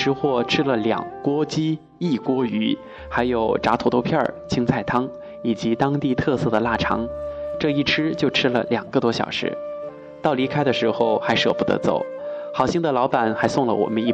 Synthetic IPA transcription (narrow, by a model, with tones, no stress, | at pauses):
ɻ̩˥xwɔ˥˩ʈ͡ʂʰɻ̩˥lə˨ljɑ̰˨˩ŋkwɔ˥t͡ɕi˥ | i˥˩kwɔ˥y˧˥ | xa˧˥ɪjo˨˩ʊʈ͡ʂa˧˥t̪ʰu˨˩ʊt̪o˥˧ʊpʰjɑ˥˩t͡ɕʰi˥ŋt͡sa˥˩ɪt̪ʰɑ˥ŋ | i˨˩t͡ɕi˧˥t̪ɑ˥ŋt̪i˥˧t̪ʰɤ˥˧sɤ˥˩d̪ə˩la˥˩ʈ͡ʂʰɑ̰˧˥ŋʈ͡ʂɤ˥˧i˥˩ʈ͡ʂʰɻ̩˥t͡ɕjo˥˧ʊʈ͡ʂʰɻ̩˥lə̰˨ljɑ˨˩ŋɡə˧t̪wɔ˥ɕjɑ̰˨˩ʊʂɻ̩̰˧˥ | t̪ɑ˥˩ʊli˧˥kʰa˥ɪd̪ə˨ʂɻ̩˧˥xo˥˧ʊxa˧˥ɪʂɤ̰˥˧˩pu˧˩t̪ɤ̰˧˥t͡so̰˨˩˦ʊxɑ˨˩ʊɕi˥ŋd̪ə˨lɑ˧˥ʊpa˨˩nxa˧˥ɪsʊ˥˩ŋlə̰˩wɔ̰˨˩mə˦ni˥˩